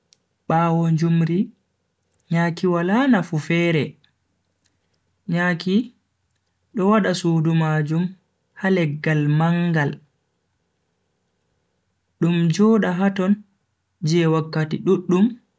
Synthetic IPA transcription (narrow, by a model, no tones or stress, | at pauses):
ɓaːwɔɲd͡ʒumɾi | ɲaːkiwalanafufɛːɾɛ | ɲaːki | ɗɔwaɗasudumad͡ʒum | halɛɡːalmaŋɡal | ɗumd͡ʒɔːɗaɦatɔn | d͡ʒɛwakːatiɗuɗːum